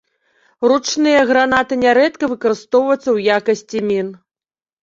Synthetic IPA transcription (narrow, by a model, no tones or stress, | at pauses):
rut͡ʂnɨjɐɣɾanat̪ɨnʲɛɾɛt̪kɐvɨkɐɾɨst̪ɔwvɐt̪sːɐwjakɐsʲt͡sʲimʲin